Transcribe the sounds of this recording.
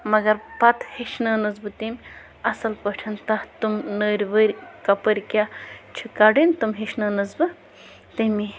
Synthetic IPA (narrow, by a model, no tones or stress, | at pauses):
mɐɡɐɾpɐt̪hiʃnɐːnɨzbɨt̪imʲ | ɐsɐlpɐʈʰɐnt̪ɐht̪umnəːɾʲʋəɾʲkɐpɐɾʲkʲat͡ʃʰikaɖint̪umɦiʃnɐːnɐzbɨ | t̪imi